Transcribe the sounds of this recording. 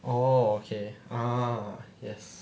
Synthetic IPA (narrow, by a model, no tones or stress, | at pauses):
ookʰea | jɛs